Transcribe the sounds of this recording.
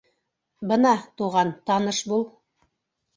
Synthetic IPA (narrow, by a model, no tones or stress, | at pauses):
bɤnɑt̪uʁɑnt̪ɑnɤʃbulˠ